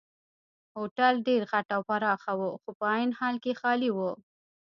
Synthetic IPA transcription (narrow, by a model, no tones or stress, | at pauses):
hoʈalɖeɾɣaʈawpaɾɑxawuxopəɑjinhɑlkexɑliwo